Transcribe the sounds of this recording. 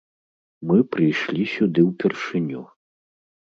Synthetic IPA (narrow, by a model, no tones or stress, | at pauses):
mɨpɾɨjʂlʲisʲud̪ɨwpʲɛrʂɨnʲu